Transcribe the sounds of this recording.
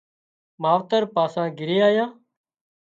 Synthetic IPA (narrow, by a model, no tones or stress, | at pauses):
maːʋt̪əɾpaːsãːɡɪɾeːaːjãː